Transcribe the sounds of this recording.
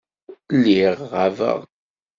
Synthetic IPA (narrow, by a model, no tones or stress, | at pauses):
lːiʁʁavə̰ʁ